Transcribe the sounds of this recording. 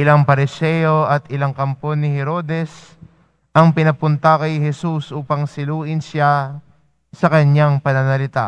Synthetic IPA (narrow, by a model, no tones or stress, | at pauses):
ʔɪlaŋpɐɾɪsɛjo̞ʔɐt̪ɪlaŋkɐmponːɪhɛɾo̞d̪ɛs | ʔɐŋpɪnɐpʊnt̪ɐkɐjɦɛsusʔuːpɐŋsɪluːʔɪnsa | sɐkɐɲːaŋpɐnɐnɐlɪt̪a